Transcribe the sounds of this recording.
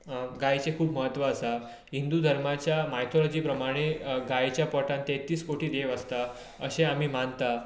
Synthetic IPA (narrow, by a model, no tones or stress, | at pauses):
ɡajt͡sekʰuːpməɦət̪ːʋəːsa | ɦind̪uːd̪ʱəɾmat͡ɕjamajt̪ʰolɔd͡ʑiːpɾəmaɽ̃eɡajt͡ɕjapɔʈãnt̪et̪iːskoʈiːd̪eʋəst̪a | əɕeamiːmant̪a